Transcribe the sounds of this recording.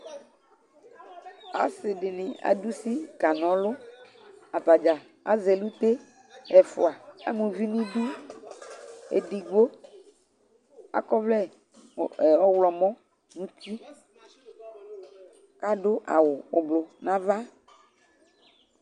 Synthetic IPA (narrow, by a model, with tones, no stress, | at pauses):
a̰˨sɪ˨ɖɪ˨nɪ̃˨a̰˨ɖu˦si˦ka˨nɔ̃˨lʊ˦ | a˨pa˨d͡ʒa˨ | a̰˦zɛ˨lu˦t̪e˦ | ɛ˨fʊ̰˨a˨a̰˦mũ˨vi˦nũ˦ɖi˦ | ḛ˨ɖi˨ɡ͡bo˦ | a̰˦kɔ˦vlɛ˦˨ | ɔ˦wlɔ˨mɔ̃˦ | nũ˦t̪i˦ | ka˦ɖʊ˦ʔa̰˨wʊ˨ʊ˨blo˨nã˦va˦